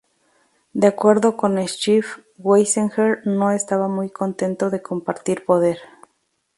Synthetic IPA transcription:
d̪eakwe̞ɾðo̞ko̞nest͡ʃifwwejseŋxeɾno̞e̞st̪aβamujkʰo̞nt̪e̞nt̪o̞ðe̞kʰo̞mpaɾt̪iɾpo̞ðe̞ɾ

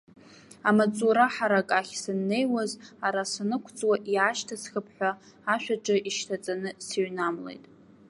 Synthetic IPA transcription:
amat͡sʼuɾaħaɾakʼaχʲsɨnːe̞jwazaɾasanɨkʷʰt͡sʼwaʔiaʃtʰat͡sʰχəpʰħᶣʷa | aʃᶣaʈ͡ʂʼɨʔiʃtʰat͡sʼanɨsiɥnamlḛjtʼ

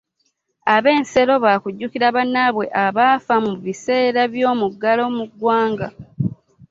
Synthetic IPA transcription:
aβe̞ːnse̞ɾo̞βaːkuɟːukiɾaβanːaβwe̞ʔaβaːfamuβise̞ːɾaβjo̞ːmuɡːalo̞muɡwaːŋɡa

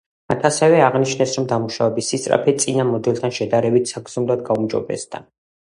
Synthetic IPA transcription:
mat̪ʰasɛvɛaʁnit͡ʃʰnɛsɾɔmd̪amuʃavɛbisːist̪ʼɾa̰pʰɛt̪sʼinamɔd̪ɛlˠt̪ʰanʃɛd̪aɾɛbit̪ʰsaɡz̥umlˠad̪ɡaumd͡ʒɔ̰bɛ̰sd̪̥a

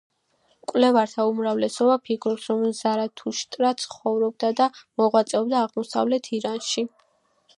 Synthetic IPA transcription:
kʼwlɛvaɾt̪ʰaumɾavlɛsɔbapʰikʰɾɔpsɾɔmz̥aɾat̪ʰuʃt̪ʼɾat̪sʰχɔvɾɔb̚d̪ad̪amɔʁwat̪sʼɛɔbd̪aːʁmɔsa̰vlɛt̪ʰiɾanʃi

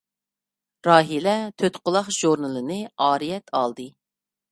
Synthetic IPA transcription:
ɾɑːɦilɛt̪ʰøt̪qʊlˠɑχʒuɾnɨlˠɨnɨɑːɾijɛt̪ʰɑ̰lˠd̪ɨ

